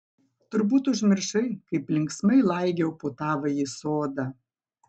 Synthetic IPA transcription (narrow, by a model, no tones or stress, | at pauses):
t̪ʊɾbuːt̪ʊʒʲmʲɪɾʃɐɪkɐɪplʲɪŋksmɐɪlˠɐɪɡʲɛʊpoːt̪ɑːʋɐjisoːd̪ɐ